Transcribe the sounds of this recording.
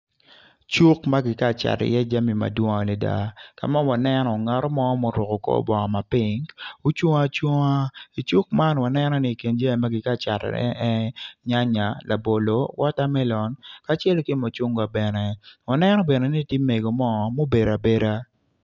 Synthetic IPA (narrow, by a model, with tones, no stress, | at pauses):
t͡ʃu˦kma˦ɡɪ˨ka˦˨t͡ʃa̰˨tɛ̰˨jɛ˦d͡ʒa˦mi˨ma̰˨dwɔ˦ŋa˨le˨da̰˦ka̰˨ma˦nwa˨nɛ˦nɔ˨ŋa˨ɾɔ˦mɔ˦mo˦ɾʊ˨kɔ˨kɔ̰˦bɔ˨ŋɔ˨ma˨pɪ˦ŋo˦t͡ʃwo˦ŋa˦t͡ʃwo˦ŋa˦i˨t͡ʃu˦k̚ma˦nwa˨nɛ˦nɔ˦nɪ˦˨ke˨nd͡ʒa˦i˨ma˦ɡɪ˨ka˦˨t͡ʃa˨tɛ̰˨ɛ̰˦ɛ˦ɲa˦ɲa˨lʔa˨bo˨lo˦wɔ˦ta˦mɛ˦lɔ˨nka˨˦t͡ʃɛ˦lo˦ki˦mo˨t͡ʃu˦ŋɡwa˨bɛ˨nɛ˨wa˨nɛ˦nɔ˦bɛ˨nɛ˨ni˦tje˦me˨ɡo˨mɔ˦˨mo˦be˨ɾa˨be˦ɾa˦